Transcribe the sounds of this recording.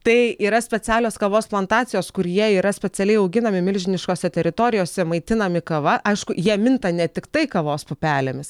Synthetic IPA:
t̪ɐɪiːɾɐsʲpʲɛt͡s̪ʲæːlʲoːskɐʋoːsplˠɐnt̪ɑːt̪t͡s̪ʲɪjoːskʊɾjiɛiːɾɐsʲpʲɛt͡s̪ʲɛlʲɛɪɐʊɡʲɪnɐmʲɪmʲɪlʲʒʲɪnʲɪʃkoːsʲɛt̪ʲɛɾʲɪt̪oːɾʲɪjoːsʲɛmɐɪt̪ʲɪnɐmʲɪkɐʋɐʔɐɪʃkʊjiɛmʲɪnt̪ɐnʲɛt̪ʲɪkt̪ɐɪkɐʋoːspʊpʲæːlʲemʲɪs

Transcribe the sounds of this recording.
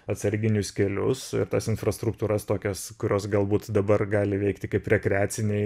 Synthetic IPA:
ɐt̪sɐɾʲɡʲɪnʲʊskʲɛlʲʊsɪ̰ɾt̪ɐsɪnfrɐst̪ɾʊk̚t̪uːɾɐst̪oːkʲɛskʊɾʲoːsɡɐlˠbuːt̪d̪ɐbɐrɡɑːlʲɪʋʲɛɪkt̪ʲɪkɐɪpɾʲɛkɾʲɛaːtsʲɪnʲɛɪ

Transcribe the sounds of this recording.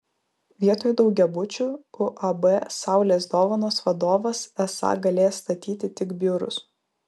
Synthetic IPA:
ʋʲiɛt̪oːjʊd̪ɒʊɡʲɛbʊt͡ʃʲuʊʔɐbɛsɑˑʊlʲeːsd̪oːʋɐnoːsʋɐd̪oːʋɐsɛsɑ̰ɡɐlʲeːjɛst̪ɐt̪ʲiːt̪ʲɪt̪ʲɪkbʲyːɾʊ̰s

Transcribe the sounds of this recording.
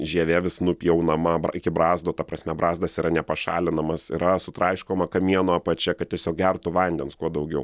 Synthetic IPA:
ʒʲiɛʋʲeːʋʲɪsnʊpʲijɛʊnɐmɐbɾɪkʲɪbɾɑːzd̪oːt̪ɐpɾɐsʲmʲɛbɾɑːzd̪ɐsiːɾɐnʲɛpɐʃɑ̰ːlʲɪnɐmɐsḭɾɐsʊt̪ɾɐɪʃkoːmɐkɐmʲiɛnoːɐpɐt͡ʃʲɛkɐt̪̚tʲiɛsʲoːk̚ɡʲɛrt̪ʊʋɐnʲd̪ʲɛnskuɔd̪ɐʊɡʲɛʊ

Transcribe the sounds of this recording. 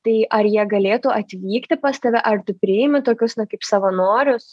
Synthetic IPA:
t̪ɐɪʔɐrjiɛɡɐlʲeːt̪uːʔɐt̪ʲʋʲiːkt̪ʲɪpɑːst̪ɐʋʲɛʔɐrt̪ʊpʲɾʲɪɪːmʲɪt̪oːkʲʊsnʊkɐɪpsɐʋɐnoːɾʲʊs

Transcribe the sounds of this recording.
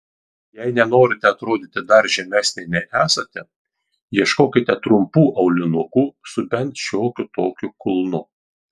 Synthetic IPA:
jɛɪnʲɛnoːɾʲɪt̪ʲɛɐt̪ɾoːd̪ʲɪt̪ʲɪd̪ɐɾʒʲɛmʲæːsʲnʲɛɪnʲɛʔæːsɐt̪ʲɛ | jiɛʃkoːkʲɪt̪ʲɛt̪ɾʊmpuːʔɐʊlʲɪnʊkuːsʊbʲɛnt̪ʃʲoːkʲʊt̪oːkʲʊkʊlˠnʊ

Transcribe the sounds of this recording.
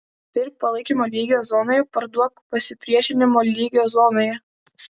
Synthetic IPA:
pʲɪɾ̚ʲpɐlˠɐɪkʲiːmoːlʲiːɡʲjoːzɔnoːjɛpɐɾd̪uɔkpɐsʲɪpʲɾʲiɛʃʲɪnʲɪmoːlʲiːɡʲɪjoːzɔːnoːjɛ

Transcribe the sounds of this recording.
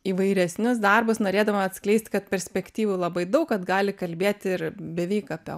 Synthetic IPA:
iːʋɐɪɾʲɛsʲnʲʊsd̪ɑrbʊsnoːɾʲeːd̪ɐʋoɐt̪ʲsklʲɛɪsʲt̪ʲkɐt̪̚pʲɛɾʲsʲpʲɛkt̪ʲiːʋuːlˠɐbɐɪd̪ɐʊkkɐt̪ɡɑːlʲɪkɐlʲbʲeːt̪ʲɪrbʲɛʋʲɛɪkɐpʲɛ̰

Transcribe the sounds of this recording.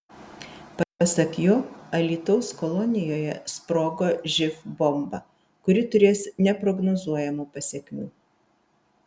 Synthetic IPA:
pɐɾpɐsɐkjoːɐlʲiːt̪ɔʊskɔlˠɔnʲɪjoːjɛ̰spɾoːɡoːʒʲɪfbɔmbɐ | kʊɾʲɪt̪ʊɾʲeːsnʲɛpɾɔɡnoːzuɔjɛmuːpɐsʲɛkʲmʲuː

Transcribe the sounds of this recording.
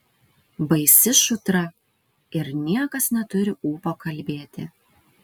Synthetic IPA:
bɐɪsʲɪʃʊt̪ɾɐ | ɪɾnʲiɛkɐsnʲɛt̪ʊɾʲɪuːpoːkɐlʲbʲeːt̪ʲɪ̰

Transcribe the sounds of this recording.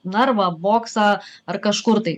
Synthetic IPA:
nɐɾʋɐboːksɑɐrkɐʃkʊɾt̪ɐɪ

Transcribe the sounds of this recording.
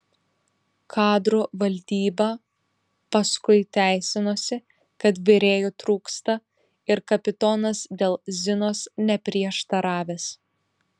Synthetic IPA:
kʰɑːd̪ɾuːʋɐlʲd̪ʲiːbɐ | pɐskʊɪt̪ʲæˑɪsʲɪnoːsʲɪ | kɐt̪ʋʲɪɾʲeːjuːt̪ɾuːkst̪ɐ | ɪɾkɐpʲɪt̪ɔːnɐsd̪ʲeːlˠzʲɪnoːsnʲɛpʲɾʲiɛʃt̪ɐɾɑːʋʲeːs

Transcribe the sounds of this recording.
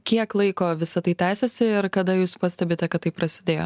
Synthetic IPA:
kʲiɛklˠɐɪkoːʋʲɪsɐt̪ɐɪt̪ʲæːsʲɛsʲɪɪɾkɐd̪ɐjuːspɐsʲt̪ʲɛbʲeːt̪ʲɛkɐt̪t̪ːɐɪpɾɐsʲɪd̪ʲeːjo̰ː

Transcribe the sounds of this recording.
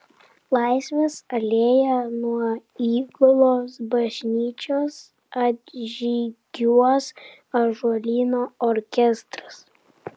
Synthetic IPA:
lˠɑˑɪsʲʋʲɛsɐlʲeːjɛnuɔiːɡʊlˠoːsbɐʒʲnʲiːt͡ʃʲoːs | ɐt̪ʒʲiːɡʲuɔs | ɐʒuɔlʲiːnoːɔɾʲkʲɛst̪ɾɐs

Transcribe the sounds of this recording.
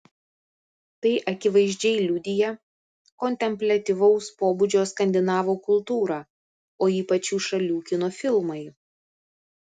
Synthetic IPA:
t̪ɐɪʔɐkʲɪʋɐɪʒʲd͡ʒʲɛɪlʲʊd̪ʲɪjɛ | kɔnʲt̪ʲɛmʲpʲlʲɐt̪ʲiʋɐʊspoːbud͡ʒʲoːskɐnʲd̪ʲɪnɑːʋoːkʊlˠt̪uːɾɑː | oːiːpɐt͡ʃʲuːʃɐlʲuːkʲɪnoːfʲɪlˠmɐɪ

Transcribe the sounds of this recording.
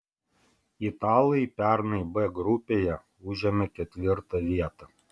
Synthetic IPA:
it̪ɑːlˠɐɪpʲæˑɾnɐɪbɛɡɾʊpʲeːjɛ | ʊʒʲɛmʲɛkʲɛt̪ʲʋʲɪɾt̪ɐʋʲiɛt̪ɑ

